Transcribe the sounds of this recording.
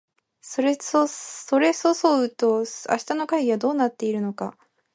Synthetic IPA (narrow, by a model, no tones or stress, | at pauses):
so̞ɾe̞soso̞ɾe̞so̞so̞ɯt̪o̞a̰ɕi̥t̪ano̞kaiɡʲiβad̪o̞ːnat̪ːe̞iɾɯ̟no̞ka